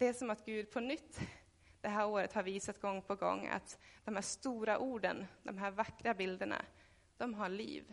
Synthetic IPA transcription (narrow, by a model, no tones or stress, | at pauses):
d̪̥ɛæʂɔmat̪ɡʉ̟ːd̪pʰɔnʏt̪ː | d̪̥ɛɦæːɾoːɾət̪haɾviːsat̪ɡɔŋːpʰɔɡɔ̰ŋːa̰t̪d̪̥ɔmhæːʂt̪uːɾaʔuːɖənd̪ɔmɦæːɾvakːɾabɪld̪əɳa̰ | d̪̥ɔmɦaɭḭːv